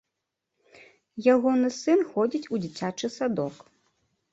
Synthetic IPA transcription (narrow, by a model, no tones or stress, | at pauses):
jaɣɔnɨsɨnxɔd͡zʲit͡sʲud͡zʲat͡sʲat͡ʂɨsad̪ɔk